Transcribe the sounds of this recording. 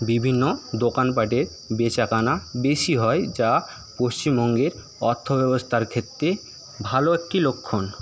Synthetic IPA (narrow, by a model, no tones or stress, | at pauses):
bibʱinːod̪okanp̬aʈeɾ | bet͡ɕakanabeʃiɦɔed͡ʑa | poʃt͡ɕimbɔŋɡeɾ | ɔɾt̪ʰːobɛbost̪ʰaɾkʰet̪ːɾe | bʱaloekʈilokʰːon